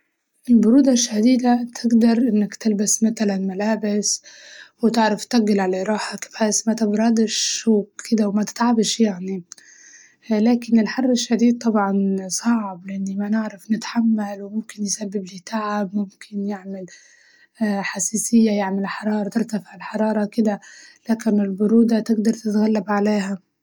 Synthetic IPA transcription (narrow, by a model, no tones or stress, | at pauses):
ʔɪlbʊɾuːd̪aʃːad̪iːd̪at̪ʰɪɡd̪ɑɾˤʔɪnːakt̪ɪlbasmat̪alanmalaːbɪswt̪ɪʕɾaft̪aɡɪlʕalaɾˤɑːħakbħaːsmat̪ɪbɾˤɑːd̪ɪʃuːkʰɪd̪awmat̪ɪ̥t̪ʕabɪʃjaʕni | laːkɪnɪlħɑrˤːɪʃːad̪iːd̪̚t̪ˤɑbʕɑnsˤɑʕblɪʔanːimanɪʕɾafnɪt̪ħamːalwɪmʊmkɪnjsabːɪblit̪aʕabmʊmkʰɪnjɪʕmɪl | ħasiːsɪjːajɪʕmɪlħɑɾˤɑːɾˤɑt̪ɾt̪afɪʕɪlħɑɾˤɑːɾˤɑkɪd̪alaːkɪnːɪlbʊɾuːd̪at̪ɪɡd̪ɑɾˤt̪ɪt̪ɣalːabʕaleːɦa